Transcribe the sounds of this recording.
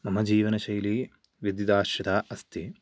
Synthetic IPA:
mɐmɐd͡ʒiːʋɐnɐʃɐjli | ʋid̪jid̪aːʃjɐd̪aːʔɐst̪i

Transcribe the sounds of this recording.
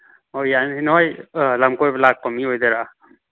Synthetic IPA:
ojaninɔjlamkojblak̚pɔmiɦojd̪ɛɾa

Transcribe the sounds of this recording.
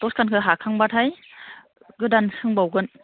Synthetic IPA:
tɔskʰankʰɯɦakʰaŋbatʰaj | ɡɯdansɯŋbawɡɯn

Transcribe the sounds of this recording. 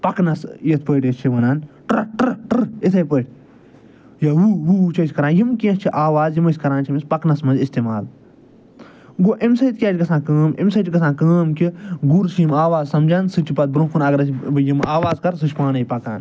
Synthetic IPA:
pɐknɐsjɐt̪̚ʰpəʈesʲt͡ʃʰiʋɐnaːnʈʈɾʈɨɾesɐjpəːʈʰʲ | jawuɦut͡ʃʰɐsʲkɐɾãːnjimkĩːst͡ʃʰiʔaːʋaːzjimɐsʲkɐɾãːnt͡ʃʰimispɐknɐsmɐnzʲist̪eːma̰ːl | ɡoʔemsɐjt̪̚kʲaːt͡ʃʲɡɐsãːkəːmḛmsɐt͡ʃikɐsãːkəːmkiɡuɾsjimaːʋaːzsɐmd͡ʒaːnsɨt͡ʃʰipɐt̪̚bɾũmkʰunɐɡɐɾɐsjimaːʋaːzkɐɾsɨt͡ʃʰʲpaːnɐjpɐka̰ːn

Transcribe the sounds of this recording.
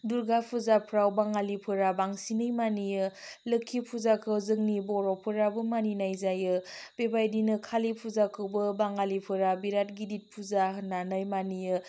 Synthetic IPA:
duɾɡapʰuzapʰɾawbaŋalipʰɯɾabaŋsinɯjmanijɯlɯkʰːipʰuzakʰɯwzɯŋnibɔɾɔpʰɯɾabɯmaninajzajɯb̥ebajdinɯkʰalipʰuzakʰɯwbɯbaŋalipʰɯɾabiɾat̚ɡidit̚pʰuzaɦɯnːanajmanijɯ

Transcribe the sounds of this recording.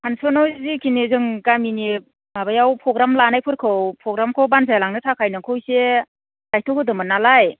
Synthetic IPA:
hansɔnɔzikʰinezɯŋkamini | mabajawpʰɾɔɡɾamlanajpʰɯɾkʰɯwpʰɾɔɡɾamkʰɯwbanzajlaŋnɯtʰakʰajnɯŋkʰɯwse | dajtʰɔkʰɯdɯmɯnalaj

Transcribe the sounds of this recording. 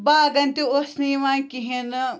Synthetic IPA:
baːɡɐnt̪iosniːmãːkiɦenɨ

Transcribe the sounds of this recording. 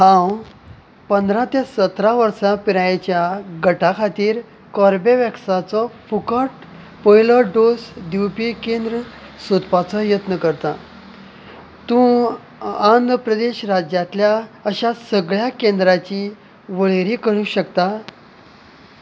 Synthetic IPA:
ɦãw | pənd̪ɾãt̪esət̪ɾaʋəɾsapiɾajet͡ɕjaɡəʈʰakʰat̪iːɾ | kɔɾbeʋjəksat͡sɔfukəʈ | pɔjləɾɖosd̪iwpikend̪ɾə | sut̪pat͡sɔjət̪nəkəɾt̪a | t̪ũː | and̪əpɾəd̪eɕɾad͡ʑjat̪ljaəɕasəɡɭjakẽnd̪ɾat͡ɕi | ʋəɭeɾiːkəɾũɕəkt̪a

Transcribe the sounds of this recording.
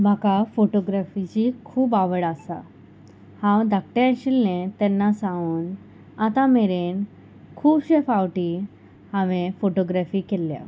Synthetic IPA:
m̤akafoʈoɡɾafid͡ʑiːkʰuːbaʋəɽasa̰ | hãwd̪ʱak̚ʈeəɕilnet̪ɛnːasãuːn | at̪ameɾen | kʰuːbɕefawʈi | hãʋẽfoʈoɡɾafiːkelːja̰

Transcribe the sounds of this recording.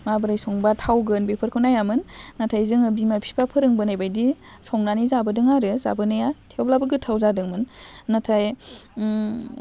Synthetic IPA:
mabɯɾajsɔŋbatʰawɡɯnbepʰɯɾkʰɯwnajamɯnːatʰajzɯŋɯb̚dimapʰi̥pʰapʰɯɾɯŋbɯnajbajdi | sɔŋnanizabɯdɯŋaɾɯza̰bɯnajatʰewblabɯɡɯtʰawzadɯŋmɯnːatʰaj

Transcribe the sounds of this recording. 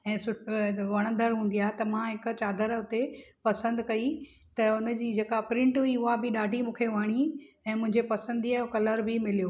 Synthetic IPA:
ɛ̃ːsʊʈʋɐɽ̃ə̃nd̪əɾɦũːn̆d̪ijaːɦet̪ɐmãɦɪk̆t͡ɕaːd̪ʱəɾɦʊt̪epɐsə̃nd̪kɐi | t̪ɐʊnd͡ʑiːd͡ʑeːkapɾɪ̃ɳʈuiʊɦabɪɗaːɖʱimũːkʰeʋaɽ̃i | ɛ̃ːmʊ̃ɦɪ̃ɲd͡ʑepɐsə̃nd̪iaʊkɐləɾbɪmɪlijoː

